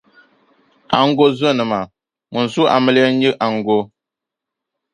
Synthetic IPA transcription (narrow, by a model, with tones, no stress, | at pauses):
a˨ŋ̩˦ɡo˦zə˦˨nɨ˨ma˨ | mu˨n̩˨su˦ʔa̰˨mə˦lɛ˦ɲi˦ʔa˨ŋ˨ɡo˦